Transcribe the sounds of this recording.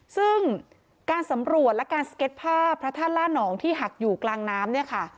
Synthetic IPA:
sɯ˥˩ŋ | kaː˧nsa˩˦mɾu˨˩ət̪̚lɛ˦˥kaː˧nsḁ˧ke˦˥t̪̚pʰaː˥˩pʰɾa˦˥t̪ʰaː˥˩nlaː˥˩nɔː˩˦ŋt̪ʰiː˥˩ɦa˨˩k̚juː˨˩klaː˧ŋnaː˦˥mni˥˩ɐkʰa˥˩

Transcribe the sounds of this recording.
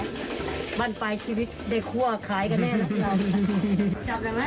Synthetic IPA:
ba˥˩npa˧jt͡ɕʰiː˧wi˦˥t̪̚daː˥˩jkʰu˥˩ɐkʰaː˩˦jka˧nːɛː˥˩la˨˧˩i˧˩˨ | a˧˩a˧˩˦

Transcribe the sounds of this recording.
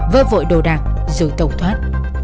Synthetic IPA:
vəː˧˩vo̰˧˨jɗo̰˧˨˩ɗaː˨˩ŋzɨ̰˧˩˦t̪ə˨˩wt̪ʰwaː˦˥t̚

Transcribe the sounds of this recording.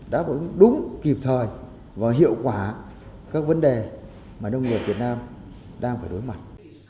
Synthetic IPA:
ɗa̰ː˧˥və̰˧˥nɗʊ˨˦ŋ͡mki˨˩p̚t̪ʰəː˨˩j | vaː˨˩wɦḭ˧˨əwkwaː˧˩ | kaː˦˥k̚və˨˦nɗe˨˩ | maː˨˩nə˧wŋ͡mŋɲi˨˩t̚vi˨˩ət̚naː˧m | ɗaː˧ŋfaː˧˩jɗo˨˦jma˨˩t̚

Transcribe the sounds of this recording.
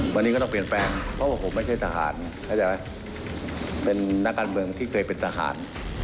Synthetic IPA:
waː˧niː˧˦kɔː˥˩ɔ˥˩pi˨˩ənpɛː˧ŋpʰɔ˧˥waː˥˩pʰo˨˩˦mːa˥˩jt͡ɕʰa˥˩jt̪aː˧ha̰ː˩˦n | kʰaː˥˩t͡ɕa˧˩ba˧˥j | pe˧nːa˦˥kːaː˧nmɯ˧əŋt̪ʰiː˥˩kʰɤː˧jpe˧nt̪ʰaː˧ɦa̰ː˩˦n

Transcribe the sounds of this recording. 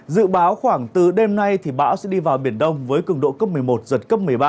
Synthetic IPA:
zɨ̰˧˨ɓaː˨˦wxwaː˧˩ŋt̪ɨ˨˩ɗe˧mna˧jt̪ʰi˨˩ɓa̰ː˧˥wsɛ̰˧˥ɗi˧vaː˨˩wɓi˧˩ənɗə˧wŋ͡mvəː˨˦jkɨ˧˩əŋɗo̰˧˨kəː˦˥p̚mɨ˨˩əjmo˨˩t̚zə˨˩t̚kə˦˥p̚mɨ˨˩əjɓaː˧

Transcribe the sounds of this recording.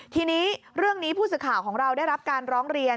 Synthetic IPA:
t̪ʰiː˧niː˦˥ | ɾɯ˥˩əŋniː˦˥pʰuː˥˩s̬ɯː˨˩kʰaː˨˩wkʰɔː˩˦ŋɾa˧wdaː˥˩jɾa˦˥p̚kaː˧nɾɔː˦˥ŋɾi˧ən

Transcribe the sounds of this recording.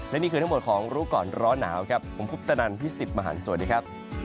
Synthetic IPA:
lɛ˦˥niː˦˥kɯː˧a˦˥bo˨˩t̪̚kʰɔː˩˦ŋɾuː˦˥kɔː˨˩nɾɔː˦˥nːaː˩˦wkʰa˦˥pʰːo˩˦mpʰu˦˥p̚t̪a˧na˧npʰiː˥˩si˨˩t̪̚maː˧ɦa̰ː˩˦nsu˨˩˦ndi˧˦˥kʰa˦˥p̚

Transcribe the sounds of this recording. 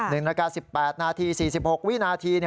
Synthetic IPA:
nɯ˨˩ŋɾaː˧kaː˧si˨˩pːɛː˨˩t̪̚naː˧t̪ʰiː˧siː˨˩si˨˩p̚ho˨˩k̚wi˥˨naː˧t̪ʰiː˧ni˥˩

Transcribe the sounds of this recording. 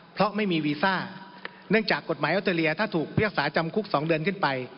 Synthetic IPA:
pʰɾɔ˦˥ʔma˥˩jmiː˧wiː˧saː˥˩ | nɯ˥˩əŋt͡ɕaː˨˩kːo˨˩t̪̚maː˩˦jʔa˦˥t̪ʰːaː˧li˧ɐt̪ʰaː˥˩t̪ʰuː˨˩k̚pʰi˥˩ək̚saː˩˦t͡ɕa˧mkʰu˦˥k̚sɔː˩˦ŋdɯ˧ənkʰɯ˥˩npa˧j

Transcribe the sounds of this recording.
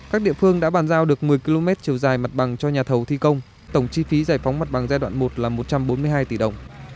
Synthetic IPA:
kaː˦˥k̚ɗḭ˧˨əfɨ˧əŋɗa̰ː˧˥ɓaː˨˩nzaː˧wɗɨ˨˩ək̚mɨ˨˩əjki˧lo˧mɛ˦˥t̚t͡ɕi˨˩əwzaː˨˩jma˨˩t̚ɓa˨˩ŋt͡ɕɔ˧ɲaː˨˩t̪ʰə˨˩wt̪ʰi˧kə˧wŋ͡m | t̪ə˧˩wŋ͡mt͡ɕi˧fi˨˦zaː˧˩jfa˨˦wŋ͡mma˨˩t̚ɓa˨˩ŋzaː˧jɗwa̰ː˧˨nmo˨˩t̚laː˨˩mo˨˩t̚t͡ɕa˧mɓo˨˦nmɨ˧əjɦaː˧jt̪i˧˩ɗə˨˩wŋ͡m

